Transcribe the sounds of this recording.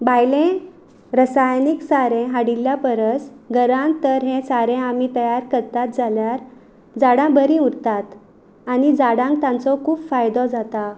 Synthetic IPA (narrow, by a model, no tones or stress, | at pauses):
bajlẽ | ɾəsajniksaɾẽɦaɽiljapəɾəsɡəɾãnt̪əɾɦẽsaɾẽamit̪əjaɾkəɾt̪at̪̚d͡zaljaɾ | d͡zaɽãbəɾĩuɾt̪at̪ | anid͡zaɽãŋk̚t̪jãnt͡sɔkʰuːpfajd̪ɔd͡zat̪a